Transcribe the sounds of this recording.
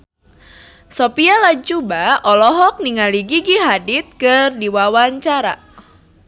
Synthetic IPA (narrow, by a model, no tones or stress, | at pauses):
sɔpialat͡ʃubaɔlɔɦɔk̚niŋaliɡiɡiɦadit̪̚kɨrdiwawaɲt͡ʃaɾa̰